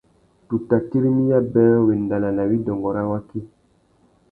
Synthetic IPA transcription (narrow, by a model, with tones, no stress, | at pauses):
tu˨ta˨ki˦ɾi˦ni˦ja˦bɛ˦we˨nda˨la˨la˨wi˦dɔ˨ŋɡɔ˨ɾa˦wa˦ki˦